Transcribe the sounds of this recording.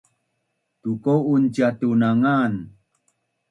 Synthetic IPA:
tukowunt͡ʃat̪unaŋan

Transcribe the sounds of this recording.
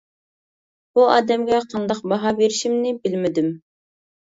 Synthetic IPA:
b̥uɑ̰ːd̪ɛmɡʲɛqʰɑnd̪ɑqbɑɦɑbeɾɪʃimnɪbɪlmɪd̪ym

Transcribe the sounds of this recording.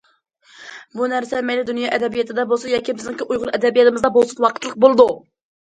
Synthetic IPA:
bunæɾsɛmɛjlɪd̪unjɑːʔɛd̪ɛbijɛt̪ʰɪd̪ɛbosujɑːkʲʰibɪznɪŋkʲʰiʔujʁʊɾˠɛd̪ɛbijɛt̪ɪmɨzd̪ɑbolˠsunwɑqʰə̥t̪lˠəq̚bolˠɨd̪u

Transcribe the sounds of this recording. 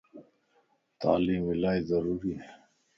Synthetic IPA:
t̪a̰ːliːmilaːjzɐɾuːɾie

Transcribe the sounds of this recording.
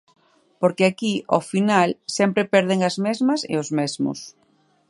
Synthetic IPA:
poɾkeakiofinalsɛmpɾepɛɾð̞eŋɐzmezmɐsḛɪ̰ozmɛzmʊ̰s

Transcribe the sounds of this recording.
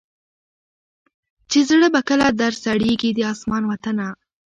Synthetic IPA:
t͡ʃezɽəbakəlad̪aɾsaɽeɡid̪əɑsmɑnwat̪əna

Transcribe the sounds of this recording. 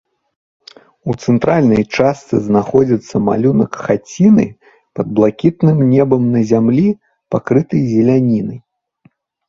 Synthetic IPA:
ut̪sɛnt̪ɾalʲnɐjt͡ʂast̪sɨznaxɔd͡zʲɐt̪sːɐma̰lʲunɐkxat͡sʲinɨ̰ | pɐd̪̚blˠakʲit̪nɨmnʲɛbɐmnɐzʲamlʲi | pakɾɨt̪ɐjzʲɛlʲanʲinɐj

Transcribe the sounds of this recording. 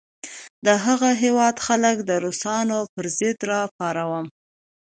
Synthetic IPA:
d̪əɦaɣaɦewɑd̪xaləkd̪əɾosɑnopəɾzɪd̪ɾɑpɑɾawəm

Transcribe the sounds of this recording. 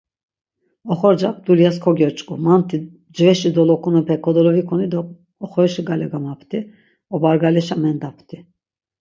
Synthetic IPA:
ɔχɔɾd͡ʒap̚ʰd̪ulijaskʰɔɡɔɾt͡ʃʼkʼumant̪ʰi | d͡ʒvɛʃid̪ɔlɔkʰunəpʰɛkʰɔd̪ɔlɔvikʰunid̪ɔː | χɔɛʃiɡalɛɡamapʰt̪ʰʼi | ɔbaɾɡalɛʃamɛnd̪apʰt̪ʰi

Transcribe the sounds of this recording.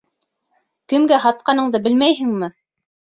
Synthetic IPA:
kɘ̆mɡæɦɑt̪̚qɑnɤ̆ɴd̪ɤbɘ̆lmæjɦɘ̆ŋmɘ

